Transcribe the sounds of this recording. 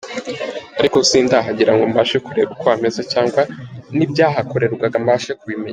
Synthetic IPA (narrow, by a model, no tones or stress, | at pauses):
aɾiko̞siːndaɦaɟiɾaŋɡombaʃekuɾe̞bukwaːmezecaːŋɡwanibɟaːɦako̞ɾe̞ɾɡwaɡambaʃekuβime̞ɲ